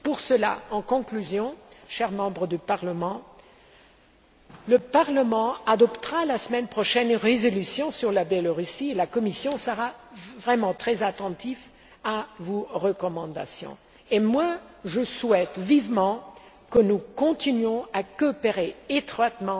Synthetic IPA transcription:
puʁsəla̰ɑ̃kɔ̃klyzjɔ̃ʃɛʁmɑ̃bʁəd̪ypaʁləmɑ̃ | ləpaʁləmɑ̃ad̪ɔpt̪əʁalasəmɛnpχɔʃɛnʁezɔlysjɔ̃syʁlabjɛloʁysielakɔmisjɔ̃səʁavʁɛmɑ̃t̪χɛzat̪ɑ̃t̪if | avoʁəkɔmɑ̃d̪a̰sjɔ̰̃ | emwaʒəswɛt̪vivmɑ̃ | kənukɔ̃t̪inɥɔ̃akɔpeʁeet̪χwat̪mɑ̃

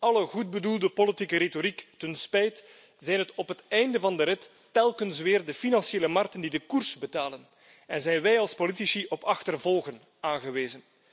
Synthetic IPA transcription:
ɑləɣud̚bədulˠdəpolitikəɾetoɾiktənspɛjt | z̥ɛjnɦətɔpɦətɛjndəvɑndəɾɪtː | ɛlˠkənsʋɪːrdəfinɑnsieːləmɑrk̚təndidəkursbətaːlən | ɛnzɛjnʋɛjɑlˠspolitisiʔɔpɑxtərvɔlˠɣən | aːnɣəʋeːzən

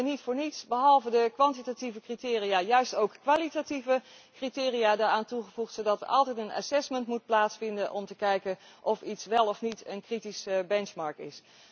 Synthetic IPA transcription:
ənitfʊːɹnitsbəɦɑlˠvədəkʋɑntitativəkritɪːrijaːjœɥstowkkʋaːlitativə | kritɪːrijaːdaːɹaːntuχəvuχtsowdɑtʋəʔɑ̰lˠtɛjtəna̰sɛsməntmut̚plaːtsfɪndənʔɔmtəkɛjkən | ʔɔfitsʋɛlˠɔfnitʰənkritisəbɛnt͡ʃmɑɹkɪ̰s

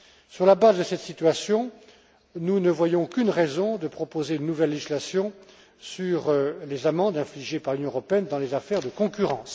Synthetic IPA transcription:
syʁlabazd̪əsɛt̪sit̪ɥasjɔ̃ | nunəvwajɔ̃kynʁɛzɔ̃d̪əpχɔpozeynːuvɛlːeʒislasjɔ̃ | syʁlezamɑ̃d̪ɛ̃fliʒepaʁlynjɔ̃əʁɔpeɛnd̪ɑ̃lezafɛʁd̪əkɔ̃kʲyʁɑ̃ːs

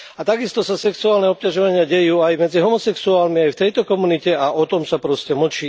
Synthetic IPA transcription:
at̪aɡist̪ɔsasɛksuaːlnɛɔp̚caʒɔʋaɲɪaɟɛjuːajmɛd͡ziɦɔmɔsɛksuaːlnmiajft̪ɛjt̪ɔkɔmunicɛaʔɔt̪ɔmsapɾɔscɛml̩t͡ʃiː

